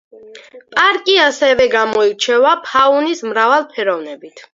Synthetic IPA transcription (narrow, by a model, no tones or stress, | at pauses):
pʼaɾkʼiasɛvɛɡamɔiɾt͡ʃʰɛvapʰaunismɾavalˠpʰɛɾɔvnɛbit̪ʰ